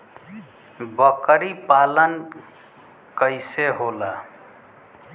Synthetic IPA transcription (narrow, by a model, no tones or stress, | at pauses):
bəkɾipalən | kəɪseɦola